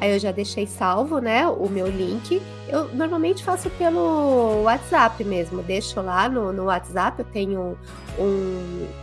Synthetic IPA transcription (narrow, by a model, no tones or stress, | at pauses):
aiewʒad̪eʃejsawvʊnɛʊmewlĩŋkɪ | ewnoɾmawmẽnt͡ʃɪ̥fasʊpelʊat͡ʃɪz̥apɪmezmʊd̪eʃʊlanʊnʊwat͡ʃɪzapewt̪ẽɲʊ | ũ